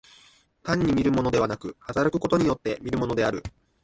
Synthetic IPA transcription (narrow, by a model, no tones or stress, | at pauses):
t̪ãɲ̟ːimʲiɾɯ̟mo̞no̞d̪e̞βanakɯ̟hat̪aɾɯkɯ̟̥ko̞t̪o̞ɲ̟ijo̞t̪ːe̞mʲiɾɯ̟mo̞no̞d̪e̞aɾɯ̟